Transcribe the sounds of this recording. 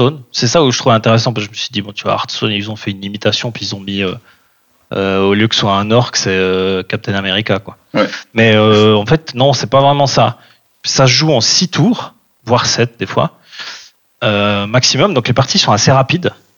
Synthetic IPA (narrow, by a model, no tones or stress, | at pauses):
onsɛsauʒət̪χuvɛɛ̃t̪eʁɛs̬ɑ̃p̬askʒəməsɥid̪ibɔ̃t̪yvwa̰a̰ʁt̪so̰nilzɔ̃fɛynimit̪asjɔ̃piilzɔ̃miø | øoljøkə̥səswaɛ̃nɔʁkə̥sɛøkap̚t̪ɛnameʁikakwa | wmɛøɑ̃fɛt̪nɔ̃sɛpavʁɛmɑ̃sa | saʒuɑ̃sit̪ʰuːʁ | vwaʁsɛt̪̚d̪efwa̰ | ømaksimɔmd̪ɔ̃klepaʁt̪isɔ̃aseʁapid̪